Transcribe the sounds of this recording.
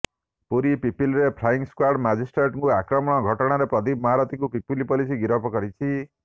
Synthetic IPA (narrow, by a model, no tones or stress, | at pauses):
puɾipipilɾepʰɾaiŋskwaɾɖmad͡ʒʱisʈɾeʈŋkuakɾɔmɔɽ̃ɔɡʱɔʈɔɽ̃aɾepɾɔd̪ibmɔɦaɾɔt̪iŋkupipilipɔlisiɡiɾɔpɔkɔɾit͡ʃʰi